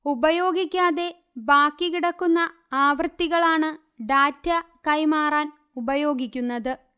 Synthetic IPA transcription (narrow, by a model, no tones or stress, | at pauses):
ubɐjo̞ːɡikʲːaːðe̞ | baːkːikiɽɐkːunːɐ | aːʋrt̪ːiɣɐɭaːɳɨ | ɖaːtːɐkɐjmaːraːn | ubɐjo̞ːɡikʲːunːɐðɨ